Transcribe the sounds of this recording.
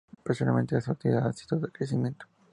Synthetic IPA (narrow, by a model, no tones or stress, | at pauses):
pesona̰lment̪elasat̪iḭðaðesi̥t̪oðoðekɾesimjent̪o̥